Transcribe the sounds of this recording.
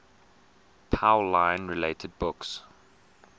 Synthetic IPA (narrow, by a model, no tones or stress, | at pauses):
pʰaʊlãɪ̃nɹɪleɪtʰəd̚bʊks